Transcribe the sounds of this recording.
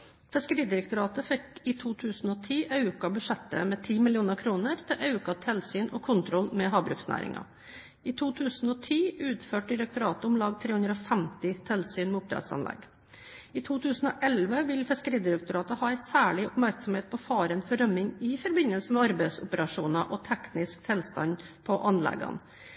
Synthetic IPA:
fɛskəɾiːd̪ɪɾɛk̚t̪ʊɾɑːt̪əfɛkɪt̪ʰuːt̪ʰʉːsn̩ɔt̪ʰiːʔɑʉkɑbʉʂɛt̪ːə̰mɛt̪ʰiːmɪlɪuːnəɾkʰɾuːnəɾt̪ʰɪlʔɑʉkɑt̪ʰɛlsyːnɔkʰʊnt̪ʰɾɔlmɛɦɑːbɾʉ̰ːksnæ̰ːɾʔɪ̰ŋɑ̰ | ɪt̪ʰuːt̪ʰʉːsn̩ɔt̪ʰiːʉːt̪føːʈ̚d̪ɪɾɛk̚t̪ʊɾɑːt̪əʊmlɑːɡ̚t̪ʰɾeːʉnd̪ɾəɔfɛmt̪ɪt̪ʰɛlsyːnmɛʊp̚d̪ɾɛ̰t̪sɑ̰nlʔɛ̰ɡ | ɪt̪ʰuːt̪ʰʉːsn̩ɔʔɛlʋəʋɪlfɪskəɾiːd̪ɪɾɛk̚t̪ʊɾɑːt̪əhɑːæɪsæːɭɪʊpmæɾksɔm̩heːt̪̚pʰɔfɑːɾɛnfɔɖœmɪŋɪfɔɾbɪnəlsəmɛɑɾbɛɪsʊpəɾɑʂuːnɑʔɔt̪ʰɛknɪskt̪ʰɪlst̪ɑ̰npʰɔʔɑnlɛ̰ɡɑ̰n

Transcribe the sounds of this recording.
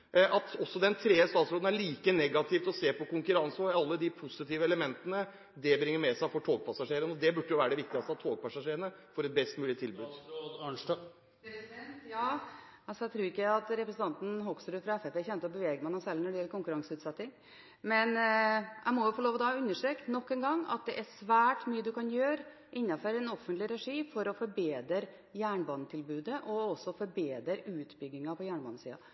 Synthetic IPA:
ʔɑt̪ɔsːɔd̪ɛnt̪ʰɾeːəst̪ɑːt̪sɾoːd̪n̩æɭiːkənɛɡɑt̪ʰɪft̪ɔseːpɔkʊŋkʉɾɑnsɑlːəd̪ɪpʰʊsɪt̪iːʋəɛləmɛnt̪ənə | d̪ɛbɾɪŋːəɾmɛsæɪfɔʈʰoːɡ̚pʰɑsɑʂeːɾənɔd̪ɛbʉɖːəjʊʋæːɾəɖ̪ɛʋɪk̚t̪ɪɡɑst̪ɑt̪ʰoːɡ̚pɑsɑʂeːɾənəfɔɾɛt̪̚bɛst̪mʉːlɪt̪ʰɪlbʉːd̪ | jɑː | ɑlsɔjæɪt̪ʰɾuːɾɪkːəæɑt̪ɾɛpɾəsən̩t̪ɑnt̪n̩ɦɔksɾʉːfɾɑɛfɛpɛçɛnt̪əɔbəʋeːɡəmɛnɑsɛlnɔɖɛjɛlːəkʊŋkʉɾɑŋsʉːt̪sɛt̪ːɪŋ | mɛnʔæ̰ɪmɔjʊfɔɭoːʋɔd̪ɑʉnːəʂʈɾeːknɔkːɛːnɡɑŋːɑ̰t̪̚d̪ɛʔæʂʋæːʈmyːəd̪ʉkɑnjøːɾ | ʔɪnːɑfɔɾɛnɔfːənt̪lɪɾɛʂiːfɔɾɔfɔɾbeːd̪əɾ | jæːɳbɑːnət̪ʰɪlbʉːd̪əʔɔɔsːɔfɔɾbeːd̪əɾʉːt̪bʏɡnɪŋɑpʰɔjæːɳbɑ̰ːnːəsḭːɑ̰

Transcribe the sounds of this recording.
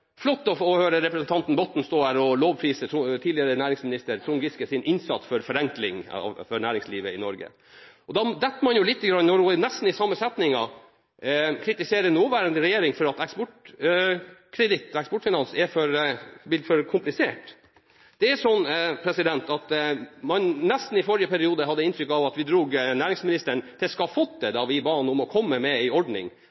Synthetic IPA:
flɔt̪ːɔfɔhøːɾəɾɛpɾɛsənt̪ɑnt̪n̩bɔt̪ːn̩st̪oːd̪æɾɔloːʋpʰɾiːsət̪ʰɾʊt̪ʰiːlɪəɾənæːɾɪŋsmɪnɪst̪əɾt̪ʰɾʊŋɡɪskəsɪnʔɪnsɑt̪sfɔɾfɔɾɛŋklɪŋɑ̰fɔɳæːɾɪŋsliːʋəɪnɔɾɡə̰ | ɔd̪ɑd̪ɛt̪ːmɑnjʊlɪt̪ːəɡɾɑnnɔɾɔnɛst̪n̩ɪsɑmːəsɛt̪nɪŋɑ | kʰɾɪt̪ɪseːɾənoːʋæːɾənd̪əɾɛjeːɾɪŋfɔɾɑt̪ɛkspɔʈ | kʰɾɛd̪ɪt̪ːɛkspɔʈfɪnɑnsɛfɔɾbɪfɔɾkʰʊmplɪsḛːʈ | d̪̥ɛæʂɔnːpʰɾɛsɪd̪ɛnt̪ɑt̪mɑnnɛst̪n̩ɪfɔɾɪəpʰæɾɪuːd̪əɦɑd̪ːəɪnt̪ɾʏkːɑʋɑt̪ʋɪd̪ɾuːɡnæːɾɪŋsmɪnɪst̪əɳt̪ʰɪlskɑfɔt̪̚d̪ɛd̪ɑʋɪbɑːnʊmɔkʰɔmːəmɛɪɔɖnɪ̰ŋ

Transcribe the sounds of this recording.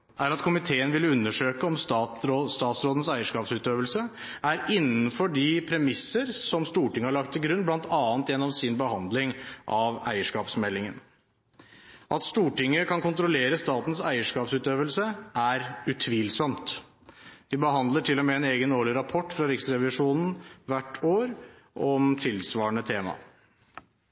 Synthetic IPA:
ʔæɾɑt̪kʰʊmɪt̪ʰeːənʋɪlʉnːəʂøːkəɔmst̪ɑːɾst̪ɑːt̪sɾoːd̪ən̩sæɪəʂkɑːpsʉːt̪øːʋəlsə | ʔæɾɪnːənfɔɖɪpʰɾɛmɪsːəɾsɔmst̪uːʈɪŋːəhɑɭɑk̚t̪ʰːɪlɡɾʉnːblɑnt̪ʰɑːnt̪jɛnːɔmsɪnbəhɑnd̪lɪŋʔɑʋæ̰ɪəʂkɑːpsmɛlːɪŋən | ʔɑt̪st̪uːʈɪŋːəkʰɑnkʊnt̪ɾʊleːɾəst̪ɑːt̪n̩sæɪəʂkɑːpsʉːt̪øːʋəlsəʔæɾʉt̪ʰʋiːlsɔmt̪ | d̪ɪbəɦɑnd̪ləʈʰɪlːɔmɛːɛneːɡənoːɭɪɾɑpʰɔʈːfɾɑɾɪksɾɛʋɪʂuːnn̩ʋæʈːʰoːɾ | ʔɔmt̪ʰɪlsʋɑːɳət̪ʰeːmɑ̰

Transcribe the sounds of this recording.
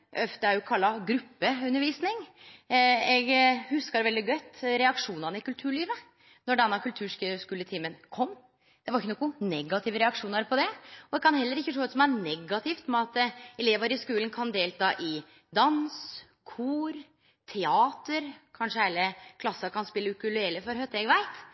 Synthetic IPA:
ʔœft̪əæɾjʊkʰɑlːɑɡɾʉpːəʉnːəɾʋiːsnɪŋ | ɛɡhʉskɑɾʋɛld̪ɪɡœt̪ːɾɛɑkʂuːnɑnəɪkʉlt̪ʰʉːɭiːʋə | nɔɖɛnːɑkʉlt̪ʰʉːʂʂkʉːlət̪ʰiːmənkʰɔmː | d̪̥ɛʋɑɾɪçːənuːɡʊnɛɡɑt̪ʰɪːʋəɾɛɑkʂuːnɑɾpʰɔd̪ɛɔd̪ɛkʰɑnhɛlːəɾɪçːət̪ɾoːd̪sɔmæɾnɛɡɑt̪ʰɪft̪mɛɑt̪ɛleːʋəɾɪskʉːlənkʰɑnd̪eːlt̪ʰɑːʔɪ | d̪ɑns | kʰuːɾ | t̪ʰɛɑːt̪əɾkʰɑnʂəhæɪləkʰlɑsːɑkʰɑnspɪlːəʉkʉlʉɛləfɔɾhœt̪ɛɡʋæɪt̪

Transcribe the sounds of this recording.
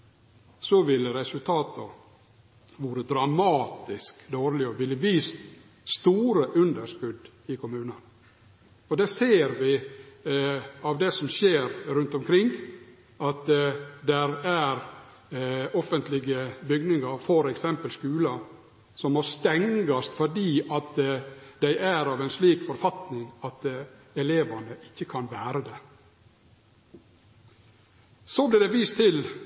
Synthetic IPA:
sɔʋɪlːəɾɛsʉlt̪ʰɑːt̪ʰə | ʋuːɾəd̪ɾɑmɑːt̪ɪskd̪oːɾlɪɔʋɪlːəʋiːst̪ | st̪uːɾəʔʉnd̪əʂkʉd̪ | ɪkʰʊmʉːnən | ɔd̪ɛseːɾʋɪ | ɑʋd̪ɛsɔmʃeːɾɾʉnt̪ɔmkʰɾɪŋ | ɑt̪d̪ɛɾæɾ | ɔfənt̪lɪɡəbʏɡnɪŋɑɾfɔɾɛksɛmpəlskʉːlɑ | sɔmɔɾst̪ɛŋɡɑst̪fɔɖiːʔɑt̪d̪æɪʔæɾɑːʋɛɪnsliːkfɔɾfɑt̪nɪŋɑt̪ | ɛleːʋɑnəʔɪçːəkʰɑnʋæːɾəd̪ɛ | soblɪd̪ɛʋiːst̪ʰɪl

